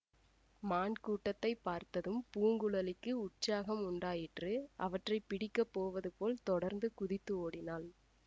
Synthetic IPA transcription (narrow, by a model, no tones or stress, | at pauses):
maːnkuːʈːɐt̪ːɐɪpːaːɾt̪ɐðɯmpuːŋɡɯɭɐlɪkːɯʊʈ̚t͡ʃaːɣɐmʊɳɖaːjɪʈrɯʔɐʋɐʈrɐɪpːɪɽɪkːɐpːoːʋɐðɯpoːlt̪ɔɽɐɾnd̪ɯkʊðɪt̪ːɯoːɽɪnaːl